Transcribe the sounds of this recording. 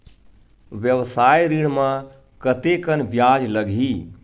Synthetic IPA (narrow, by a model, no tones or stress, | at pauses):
ʋjəʋsajɾiɽmã | kət̪ekənbjad͡ʒləɡʱi